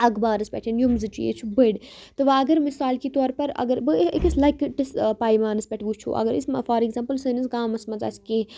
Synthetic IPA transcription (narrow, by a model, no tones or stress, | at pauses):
ɐɡbaːɾɐspʲɛ̰ʈʰinjumzɨt͡ʃṵjḛːt͡ʃʰubɨɽt̪ɨʋaɐɡɐɾmisaːlkit̪oːɾpɐɾɐ̰ɡɐɾbɨikislɐkʈispaːjmaːnɨspʲɛʈʰʋut͡ʃʰṵʔɐ̰ɡɐɾḭsmɐfɐɾiɡzɐmpɨlsɨnisɡaːmɐsmɐza̰ːskeː